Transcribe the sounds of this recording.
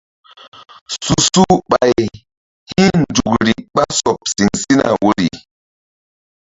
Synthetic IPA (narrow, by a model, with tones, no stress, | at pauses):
su˨su˦ɓa˨j | hi˦nd͡ʒu˨kɾi˨ɓa˦sɔ˨p̚si˨ŋsi˦na̰˨wo˦˨ɾi˨